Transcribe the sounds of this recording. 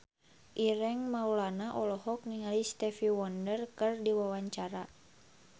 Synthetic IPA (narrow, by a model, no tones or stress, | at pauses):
ʔiɾɛŋmaulanaʔɔlɔɦɔk̚niŋalist̪ɛfiwɔndərkɨrdiwawaɲt͡ʃaɾa